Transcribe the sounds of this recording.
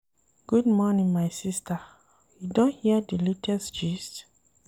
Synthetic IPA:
ɡ̥udmɔnĩnmaɪsista | judõnhiadilitʰɛsd͡ʒist

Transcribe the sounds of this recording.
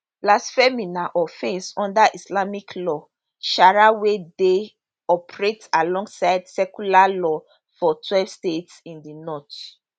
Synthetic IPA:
lasfɛminaʔɔfɛ̃nsɔ̃ndaʔislamikʰlɔ | ʃaɹawede | ɔpɹetalɔ̃ŋɡsaɪdsɛkulalɔ | fɔtʰwɛvstetsĩndinɔt

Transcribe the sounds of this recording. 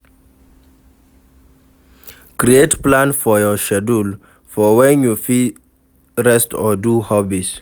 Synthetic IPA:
kɾietplãnfɔjɔʃɛdul | fɔwɛ̃njufi | ɹɛstʰɔduhɔbis

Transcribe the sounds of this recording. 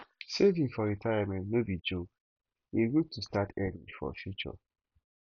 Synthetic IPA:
sevĩŋfɔɾitʰajamɛ̃ntnobid͡ʒok | iɡutʰustatɛdḭ̃ŋfɔ̰fjut͡ʃɔ̰

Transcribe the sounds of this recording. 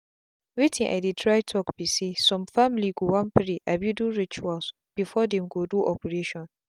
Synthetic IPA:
witʰɪ̃ŋʔa̰jditʰɹajtʰɔkbisisɔ̃mfamliɡuwãnpɾiʔabjuduɹit͡ʃuals | b̥ifɔdɛ̃mɡoduʔɔpɛɹeʃɔ̃n

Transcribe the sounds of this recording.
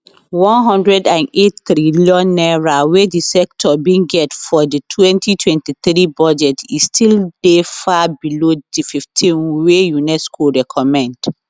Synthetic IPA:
wɔ̃nɦɔ̃ndɹɛdãnettɾiliɔ̃nːɛɹawedisɛk̚tʰɔbĩŋɡɛtfɔditʰwɛ̃ntʰitʰwɛ̃ntiθɾibɔd͡ʒɛtistʰildefabilodififtʰĩnwejunɛskʰoɹɛkʰɔmɛ̃nd

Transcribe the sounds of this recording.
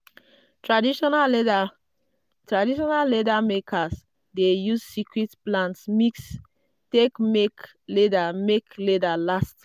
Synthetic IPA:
tɹadiʃɔna | tɹadiʃɔnalːedamekʰas | dejussikʰɹitplãntsmiks | tekmek | ledamekledalast

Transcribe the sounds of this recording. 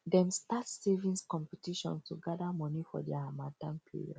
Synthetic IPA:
dɛ̃mstatssɛvĩnskɔ̃mpɛtiʃɔ̰̃nstuɡadamɔnifɔ̰dɛamatãnpʰḭɹiɔ̰d

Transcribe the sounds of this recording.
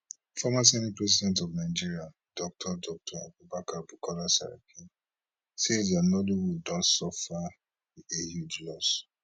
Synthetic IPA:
fɔmasɛnipɹɛsidɛ̃ntɔvnaɪd͡ʒiɹia | d̥ɔk̚tʰɔdɔk̚tʰɔa̰bubakabukʰɔlasa̰ɹa̰kʰi | sezdanoliwildɔ̃ntsɔfa | ehud͡ʒlɔs

